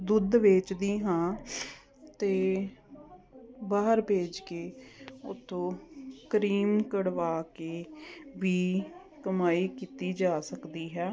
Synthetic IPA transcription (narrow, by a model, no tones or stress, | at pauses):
d̪ʊd̪ʋeːt͡ʃd̪iːɦãː | t̪eː | baːɦəɾbʱeːd͡ʒkeːʊt̪ʰːõːkəɾiːmkəɽʋaːkeːʋiː | kəmaːiːkiːt̪iːd͡ʒaːsəkd̪iːɦɛː